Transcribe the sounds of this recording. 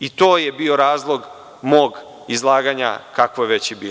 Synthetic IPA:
it̪o̞ːjebio̞ɾaːzlˠo̞ɡ | mo̞ːɡ | izlˠaːɡaːɲa̰kakʋojeʋe̞t͡ɕjebiːl

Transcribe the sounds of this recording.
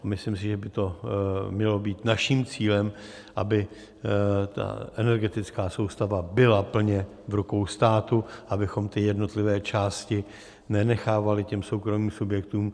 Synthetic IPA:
mɪslimsɪʒɛbɪt̪o̞mɲɛlo̞biːt̪naʃiːmt͡siːlɛm | ʔabɪ | t̪a̰ʔɛnɛɾɡɛt̪ɪt͡skaːso̞wst̪avabɪlapl̩ɲɛ | vɾuko̞wst̪aːt̪uabɪxo̞mt̪ɪjɛdno̞t̪lɪvɛːt͡ʃaːscɪ | nɛnɛxaːvalɪcɛmsowkɾo̞miːmsubjɛkt̪uːm

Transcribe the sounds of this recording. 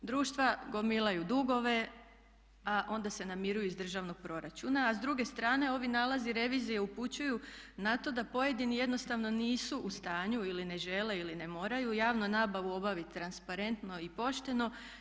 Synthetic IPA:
d̪ɾuːʃt̪ʋaɡo̞milˠajud̪uɡo̞ʋe̞ | aʔo̞nd̪ase̞namiɾujuizd̪r̩ʒaːʋno̞ɡ̥̚pɾo̞ɾat͡ɕunaːzd̪ɾuɡe̞st̪ɾaːne̞o̞ʋinalaziɾe̞ʋiːzije̞uput͡ɕuju | nat̪o̞d̪apo̞je̞d̪inije̞d̪no̞st̪aʋno̞niːsuʔːst̪aːɲuiline̞ʒe̞le̞iline̞mo̞ːɾajujaːʋnonaːbaʋuo̞baʋit̪ːɾanspaɾe̞nt̪no̞ipo̞ʃt̪e̞no̞

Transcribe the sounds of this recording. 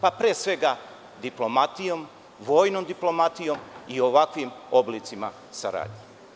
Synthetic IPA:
papɾeːsʋe̞ɡa | d̪iplˠo̞mat̪ijo̞m | ʋo̞ːjnomd̪iplˠo̞mat̪ijo̞mio̞ʋakʋimo̞blit̪sima | sa̰ɾa̰ːd̪ɲe

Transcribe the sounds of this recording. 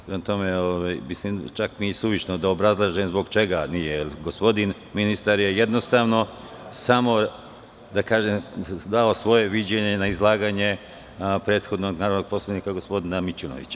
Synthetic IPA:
pɾemat̪o̞meoʋajmislimt͡ʃakmisuʋit͡ʃnod̪aobɾazlˠaːʒemzbo̞ɡt͡ʃe̞ɡanijeelɡospo̞d̪in | minist̪aɾje̞jed̪no̞st̪aːʋno̞ | samo̞ | d̪akaːʒemd̪ao̞sʋo̞je̞ʋid͡ʑeɲenaizlˠaːɡaːɲe̞ | pɾeːt̪xo̞d̪noɡnaːɾod̪noɡ̚po̞slaʋniːkaɡo̞spo̞d̪inamit͡ɕuno̰ʋḭt͡ɕa

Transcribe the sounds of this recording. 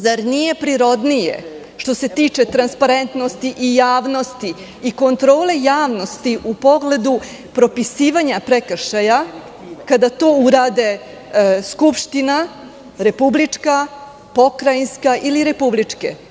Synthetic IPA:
zaɾnije̞pɾiɾo̞d̪nijḛ | ʃt̪o̞se̞t̪iːt͡ʃe̞t̪ɾanspaɾe̞nt̪nost̪iʔijaːʋno̞st̪iː | ko̞nt̪ɾo̞ːle̞jaːʋno̞st̪iʔupo̞ɡle̞d̪u | pɾo̞pisiːʋaɲapɾekəʃaja | kad̪at̪o̞ːuɾaːd̪e̞ | skupʃt̪ina | ɾe̞publit͡ʂka | po̞kɾajinskaʔiliɾe̞publit͡ʂke̞̰

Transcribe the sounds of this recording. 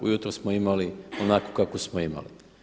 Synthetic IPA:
ṵjut̪ɾosmoimalionakokakosmoima̰li

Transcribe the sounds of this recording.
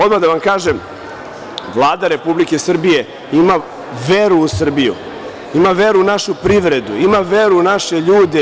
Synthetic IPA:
od̪mad̪aʋamkaːʒem | ʋlˠaːd̪aɾe̞publikesr̩bije | ima | ʋeɾuːsr̩bijṵ | imaʋeɾuːnaʃupɾiʋɾe̞d̪uimaʋe̞ɾunaʃeʎuːd̪e

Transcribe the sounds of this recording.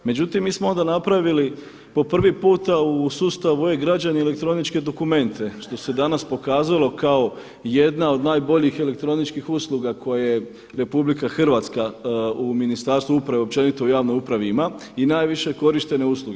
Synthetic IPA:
me̞d͡ʑut̪imːiːsmo̞o̞nd̪anapɾaʋili | po̞pr̩ʋipuːt̪ausuːst̪aʋueɡɾad͡ʑaniele̞kt̪ɾo̞nit͡ʃke̞d̪o̞kume̞nt̪ʰe̞ʃt̪o̞se̞d̪anaspo̞kaːzalˠo̞kao̞ | je̞d̪nao̞d̪naːjbo̞ʎixele̞kt̪ɾo̞nit͡ʃkixuslˠuɡakʰo̞jaje | ɾe̞publikaxr̩ʋaːt̪skauminist̪aːɾst̪ʋuupɾaʋeo̞p̚t͡ʃe̞nit̪oujaːʋnomupɾaʋimainaːjʋiʃe̞ko̞ɾiʃt̪e̞ne̞usluɡe

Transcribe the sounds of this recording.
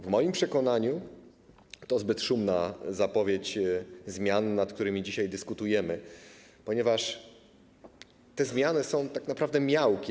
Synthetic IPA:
vmɔjimpʂɛkɔn̪aɲu | t̪ɔzbɘt̪ʂumnazapɔvʲjet͡ɕzmʲjannat̪̚k̚t̪uɾɘmʲid͡ʑiɕajd̪ɘskut̪ujɛmɘ | pɔɲɛvaʂ | t̪ɛzmʲjanɘsɔ̃w̃t̪aknapɾavd̪ɛmʲjawkʲi

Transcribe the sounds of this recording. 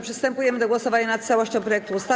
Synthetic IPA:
pʂɨst̪ɛmpujɛmɘd̪ɔɡwɔsɔvaɲanat̪t̪sawɔɕt͡ɕɔ̃pɾɔjɛk̚t̪uust̪a

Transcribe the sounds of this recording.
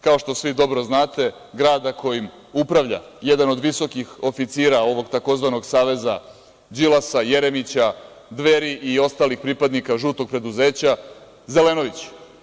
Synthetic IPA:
kao̞ʃt̪o̞sʋid̪o̞bɾo̞znaːt̪e̞ | ɡɾaːd̪ako̞jim | upɾaʋʎa̰je̞d̪ano̞d̪ʋiso̞kixo̞fit̪siːɾao̞ʋo̞ɡt̪ako̞zʋano̞ɡsaːʋe̞za | d͡ʑilasaje̞ɾemit͡ɕa | d̪ʋe̞ɾiʔio̞st̪aːlixpɾipad̪nikaʒuːt̪oɡ̚pɾe̞d̪uze̞ːt͡ɕa | ze̞le̞no̞ʋit͡ɕ

